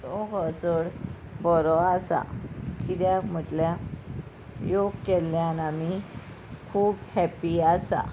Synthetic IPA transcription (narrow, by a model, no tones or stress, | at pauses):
ɔkət͡səɽ | bɔɾɔasa̰kit̪jam̤əʈlja | joɡkɛljanami | kʰuːphɛpiasa̰